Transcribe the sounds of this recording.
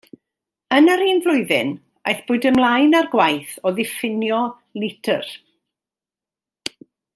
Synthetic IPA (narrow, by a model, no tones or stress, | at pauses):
ənaɾiːnvlˠʊɨðɪ̰n | ajθb̥ʊːɨdəmlˠajnarɡwajθɔðɪfɪnjɔ | lɪtʰə̰r